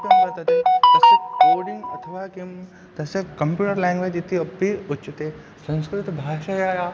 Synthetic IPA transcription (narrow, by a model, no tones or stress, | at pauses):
pɐmbɐt̪ɐt̪it̪ɐsekoːɖɪ̃ŋɡɐt̪ʰəʋakim | t̪ɐsekɐmpjuːʈəɾlɛ̃ːŋɡʋed͡ʒit̪ːiɐbʱiʊtːt͡ʃːt̪e | sɐ̃nskɾɪt̪ɪt̪bʱaːʃajaːjaː